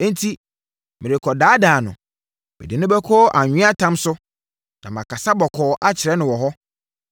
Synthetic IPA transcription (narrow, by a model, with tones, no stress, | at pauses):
ẽ˦n˦tʰi˦ | mɪ̃˨ɾɪ˨kʰɔ˨daː˨˦daː˨nʊ̰̃˨ | mɪ̰˨dɪ˨nʊ̃˦bɛ˦kʰɔː˦ʔa˨ɲᶣɪ̃˦a˦tʰã˦msʊ˦ | nã̰˨m˨ã˨kʰa˨sa˦bɔ˨kʰɔː˨ʔa˦t͡ɕʰɪ˨ɾɛ˦nʊ̃˨wɔ˨ɦɔ˦